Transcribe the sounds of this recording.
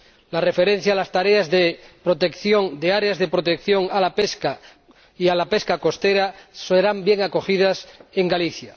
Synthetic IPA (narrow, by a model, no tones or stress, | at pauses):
lare̞fe̞ɾẽn̟θjalast̪aɾeazðepɾot̪e̞kθjoŋd̪eaɾeazðe̞pɾot̪ekθjo̞ŋalapeska | ialapeskako̞st̪eɾaseɾambje̞ŋako̞xiðase̞ŋɡaliθja